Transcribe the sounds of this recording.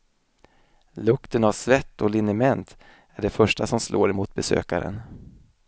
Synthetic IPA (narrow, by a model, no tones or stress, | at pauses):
lɵkt̪ənavsvɛt̪ːɔlɪnɪmɛnt̪ | æɖɛfœʂʈasɔmsloːɾɛmuːt̪̚bɛsø̰ːka̰ɾə̰n